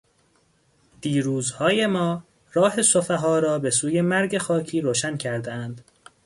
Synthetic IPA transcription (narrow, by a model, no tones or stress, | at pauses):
d̪̥iːɾuːzhɒːje̞mɒː | ɾɒːɦe̞sofeɦɒːɾɒːbe̞suːje̞mæɾɟe̞xɒːcʰiːɾoːʃæncʰæɾd̪eænd̪̥